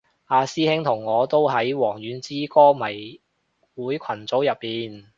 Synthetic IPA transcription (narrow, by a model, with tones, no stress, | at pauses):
aː˧siː˥hɪ˥ŋt̪ʰʊ˨˩ŋːɔː˨˧t̪o˥wɦɐ˨˥jwɔː˨˩ŋjyː˨˥nt͡siː˥kɔː˥mɐ˨˩j | wuː˨˥jkʷʰɐ˨˩nt͡so˨˥wjɐ˨pːiː˨n